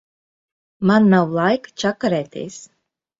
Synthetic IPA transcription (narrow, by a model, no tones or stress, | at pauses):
manːawlˠajkt͡ʃakaɾɛːt̪ʲiḛːs